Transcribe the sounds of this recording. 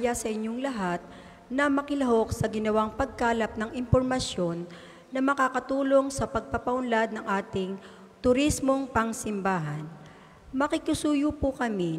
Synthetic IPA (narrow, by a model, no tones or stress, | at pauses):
jasɐʔɪɲjoŋlɐɦat̪̚ | nɐmɐkɪlɐɦo̞k̚sɐɡɪnɐwaŋpɐɡ̚kaːlɐp̚nɐŋɪmpoɾmɐsjo̞nː | ɐmɐkaːkɐt̪uːlo̞ŋsɐpɐɡ̚pɐpɐʔʊnlad̪̚nɐŋʔaːt̪ɪŋ | t̪ʊɾismo̞ŋpɐŋsɪmbaːɦɐn | mɐkɪkʊsuːjupʊkɐmi